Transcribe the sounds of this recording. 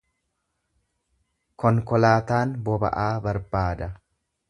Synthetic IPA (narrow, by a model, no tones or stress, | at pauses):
kʰɔŋkɔlaːt̪aːnbɔbɐ̰ʔaːbɐɾbaːd̪ɐ